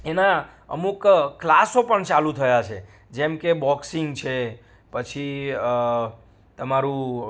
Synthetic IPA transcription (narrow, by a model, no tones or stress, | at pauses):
ena | ə̰mukkːlasopəɳt͡ʃalut̪ʰəjat͡ʃʰe | d͡ʒɛmkebɔksiŋɡt͡ʃʰe | pət͡ʃʰi | t̪əmaɾũ